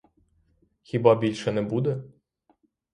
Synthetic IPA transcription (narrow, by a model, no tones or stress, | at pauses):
xʲibɑbʲilʲʃɛnɛbud̪ɛ